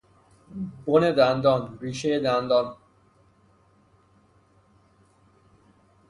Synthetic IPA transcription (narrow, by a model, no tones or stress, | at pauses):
boned̪ænd̪ɔːnɾiːʃejed̪ænd̪ɔːn